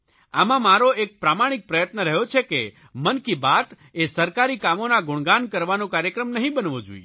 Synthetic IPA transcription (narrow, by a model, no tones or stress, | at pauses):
amãmaɾoʔek̚pɾamaɽ̃ɪk̚pɾəjət̪nəɾəɦjot͡ʃʰeke | mənkibat̪ | esəɾkaɾikamonaɡʊɳ̃ɡankəɾʋanũkaɾjəkɾəmnəɦĩbənʋõd͡ʒṵj̰